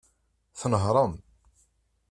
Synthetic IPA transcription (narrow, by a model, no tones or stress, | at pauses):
θnəɦɾˤəm